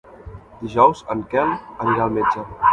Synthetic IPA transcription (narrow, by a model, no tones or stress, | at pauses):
d̪iʒɔwzəŋkɛlənɾalˠmed͡ʒə